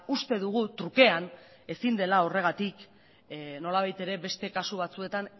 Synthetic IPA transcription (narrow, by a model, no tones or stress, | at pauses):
ust̪e̞ðuɣ̞ut̪ɾuke̞an | e̞sind̪e̞lao̞re̞ɣ̞at̪ik | no̞laβajt̪e̞ɾe̞βe̞st̪e̞kasuβ̞at͡sue̞t̪an